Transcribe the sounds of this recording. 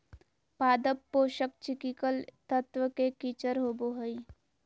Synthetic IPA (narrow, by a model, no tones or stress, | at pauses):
paːd̪əpːoːʃək̚t͡ʃɪkikəlt̪ət̪ʋəkekit͡ʃəɾɦoːboɦəi